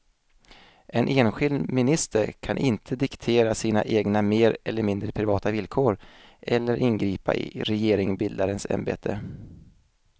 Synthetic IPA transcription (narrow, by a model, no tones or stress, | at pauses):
ʔɛnʔeːnɧɪld̪mɪnɪst̪ʰəɾkʰanʔɪnt̪ʰəd̪ɪkt̪ʰeːɾasiːna̰ʔeːɡnameːɾɛlːəɾmɪnd̪ɾəpʰɾɪvɑːt̪avɪlkʰoːɾʔɛlːəɾʔɪnɡɾiːpa̰ʔɪ̰ɾɛjeːɾɪŋbɪld̪aɾənsɛ̰mbḛːt̪ʰə